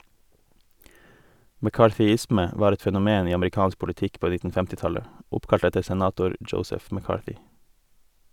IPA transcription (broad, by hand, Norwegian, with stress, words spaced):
mɛˈkɑːˌʈɪsmə ˈʋɑːɾ ˈɛt ˈfɛnʊˌmeːn ˈiː ɑmɾɪˈkɑːns pʊlɪˈtɪk ˈpoː ˈnɪtn̩ ˈfɛmtɪ ˈtɑlə ˈʊpkɑʎt ˈɛtəɾ sɛˈnɑːtʊɾ ˈdʒəʊsəf mɛˈkɑːʈʏ